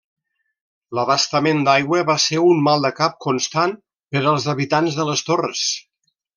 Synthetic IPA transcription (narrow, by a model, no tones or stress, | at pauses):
ləβəst̪əmend̪ajɣwəβaseɾunmalˠd̪əkap̚kunst̪an | pəɾəlˠzəβit̪anzðələst̪orəs